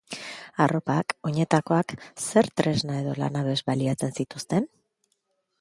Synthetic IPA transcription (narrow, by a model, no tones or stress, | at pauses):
aro̞pako̞ɲe̞t̪ako̞akse̞ɾt̪ɾe̞znae̞ðo̞la̰naβe̞zβaliat͡se̞nsit̪ust̪e̞n